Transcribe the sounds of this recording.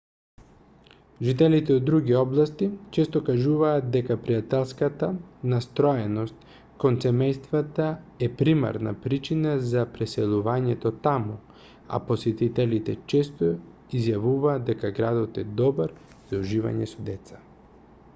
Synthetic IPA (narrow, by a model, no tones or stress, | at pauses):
ʒit̪̬ɛlit̪ɛod̪ːɾuɡiɔblˠast̪it͡ʃɛst̪okaʒuvaːt̪̚d̪ɛkapɾijat̪ɛlˠskat̪anast̪ɾɔɛnost̪̚ | konsɛmɛjst̪vat̪aɛpɾima̰ɾna̰pɾit͡ʃinazapɾɛsɛlˠuvaɲɛt̪ot̪amu | a̰posɛt̪it̪ɛlit̪ɛt͡ʃɛst̪o | izjavuvaːd̪̚ɛkaɡɾad̪ot̪ɛd̪ɔbaɾ | z̥auʒiva̰ɲɛsod̪ɛt̪sḁ